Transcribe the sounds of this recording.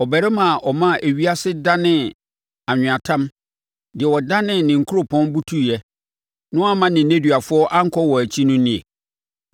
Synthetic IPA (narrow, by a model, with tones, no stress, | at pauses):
ɔ˨bæ˨ɾɛ˦mã˨ʔɔ˨mã˦˨ʔæ˨ɥi˦a˦sɪ˦da˦nɪ̃˦˨ | a˨ɲᶣɪ̃˨a˨tʰã˦m | dɪ˨ɛ˨wɔ˨da˦nɪ̃˦nɪ̃˨ŋ̩˨kʰʊ˦ɾʊ˨pʰɔ̃˦nbu˦tʰu˦˨jɛ˦ | nʊ̃˦a˦mã˦nɪ̃˨n˨ne˦dɥa˨fʊ˦ɔ˦ʔa˦ŋ̩˦kʰɔ˦wɔ˨æ˨t͡ɕʰi˦nʊ̃˦nĩ˦ḛ˨